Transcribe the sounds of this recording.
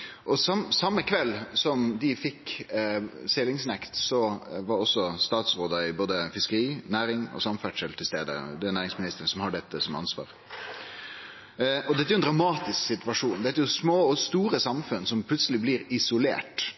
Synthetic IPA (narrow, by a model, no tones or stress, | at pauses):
ʔɔsɑmsɑmːəkʰʋɛlːsɔmd̪ɪfɪkː | selɪŋsnɛkt̪sɔʋɑɾɔsːɔst̪ɑːt̪sʁoːd̪əɪboːd̪əfɪskəɾiːnæːɾɪŋɔ̰sɑmfæʈʂəlt̪ʰɪlst̪eːd̪ə̰d̪ɛnæːɾɪŋsmɪnɪst̪əɾən̩sɔmhɑɖɛt̪ːəsɔmɑ̰nsʋɑ̰ːɾ | ɔd̪ɛt̪ːɾjʊɛnd̪ɾɑmɑːt̪ɪsksɪt̪ʋɑʂuːnd̪ɛt̪ːjʊsmoːɔst̪uːɾəsɑmfʉnsɔmpʰlʉt̪səlɪblɪːɾɪsʊlḛːʈ